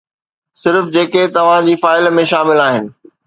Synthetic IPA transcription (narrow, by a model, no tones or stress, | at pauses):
sɪɾfd͡ʑeːket̪ɐʋ̤ãd͡ʑiːfaːɪlmẽʃaːmɪlaːɦɪnɪ̆